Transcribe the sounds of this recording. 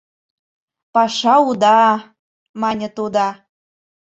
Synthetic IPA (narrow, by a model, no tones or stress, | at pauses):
pɑʃɑud̪ɑ | mɑnʲə̆t̪ud̪ɑ